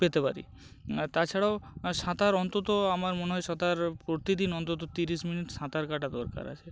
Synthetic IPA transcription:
pet̪epaɾḭ | t̪at͡ʃʰaɽawsat̪aɾɔnt̪ɔt̪ɔamaɾmoneɦɔjsat̪aɾpɾot̪id̪inɔnt̪ɔt̪̬ɔt̪iɾisminiʈsãt̪aɾkaʈad̪ɔɾka̰ɾa̰t͡ʃʰe

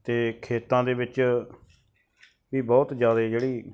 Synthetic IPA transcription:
t̪eːkʰeːt̪ãːd̪eːʋɪt͡ʃ | ʋiːbɔːt̪d͡ʒjaːd̪eːd͡ʒeːɽiː

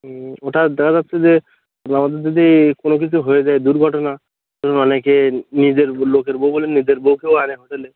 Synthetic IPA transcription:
oʈad̪ɛkʰad͡zat̪ːɕʰed͡ʑe | namad̪eɾd̪id̪ikonok̬it͡ɕʰuɦojed͡ʑaed̪uɾɡʱɔʈona | d͡ʒɔkʰonɔnekenid͡ʑeɾlokeɾbowbolenid͡ʑeɾbowkewaneɦoʈele

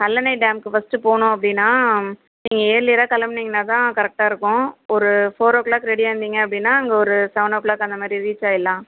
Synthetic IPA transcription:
hɐlːɐnɐɪɖaːmkɯfɐsʈɯpoːɳʊ̃ɐp̬ːɐɽɪnːaː | niːŋɡɐeːɾlɪːɾaːkɐlɐmniːŋɡɐnaːt̪ãːkɐɾɛk̚ʈaːɪɾɯkːʊ̃ɔɾɯfoːɾɐʋkɭaːkːɾɛɽiʋɐnd̪iːŋɡɐɐpːɐɽɪnːaːɐŋɡɐɔɾɯsɐʋnɐːʋklaːkɐnd̪ɐmaːd̪ɾiɾiːt͡ʃːaːɪlːãː

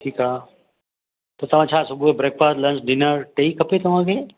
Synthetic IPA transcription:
ʈʰiːkaː | t̪ot̪ɐʋ̤ãːt͡ʃʰaːsʊɡuebɾeːk̚faːst̪lɐ̃nsɖɪnəɾʈeikʰːɐpet̪ɐʋ̤ãːkʰeː

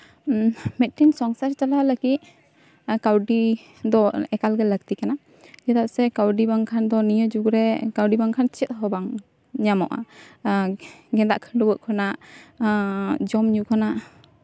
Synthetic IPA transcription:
mɛt̪̚ʈinsɔŋsaɾt͡ʃalaləɡit̪̚ | kawɖi | d̪ɔɛkalɡɛlək̚t̪ikana | d͡ʒɛt̪aʔ̚sɛkawɖibaŋkʰand̪ɔnijəd͡ʒuɡɾɛkawɖibaŋkʰant͡ʃɛt̪̚ɦɔbaŋ | ɲamɔ̰ʔa̰ | ɡɛ̃d̪a̰ʔkʰəɖubəʔkʰɔnaʔ | d͡ʒɔmɲukʰɔnaʔ

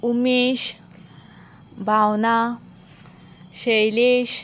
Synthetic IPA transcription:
umeɕ | bʱawna | ɕejleɕ

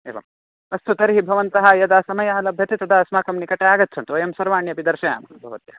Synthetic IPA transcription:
eːʋɐ̰m | ɐst̪ʰut̪ɐɾiɦibʱɐʋɐnt̪ɐɦɐjɐd̪aːsɐmɐjaːɐlɐbʱjɐt̪it̪ɐd̪aɐsmaːkɐmnikɐʈeaːɡɐt̪ːt͡ʃʰɐnt̪uʋɐjɐmsɐɾʋaːɳjɐpid̪ɐɾʃɐja̰ːmɐnɐbʱɐʋɐt̪jɐ

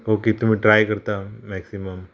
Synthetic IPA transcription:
okit̪um̤ĩʈɾaːjkəɾt̪amɛksiməm

